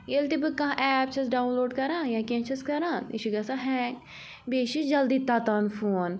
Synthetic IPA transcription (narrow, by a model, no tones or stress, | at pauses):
jelt̪ibɨkːɐ̃ãʔɛːp̚t͡ʃʰɐsɖaːunloːɖkɐɾãːjãːkʲẽːt͡ʃʰɐskɐɾãːnḭʃʰiɡɐsaɦɛ̃ːk | beːʃid͡ʒɐld̪iːt̪aːt̪aːnfoːn